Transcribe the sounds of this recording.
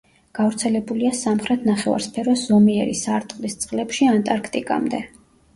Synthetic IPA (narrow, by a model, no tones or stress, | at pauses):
ɡ̥avɾt̪sʰɛlɛbuliasamχɾɛt̪ʰnaχɛva̰ɾspʰɛɾɔsz̥ɔmiɛɾḭsaɾt̪ʼχqʼlist̪sʼqʼlɛpʃiant̪ʼaɾkʰt̪ʼikʼa̰md̪ɛ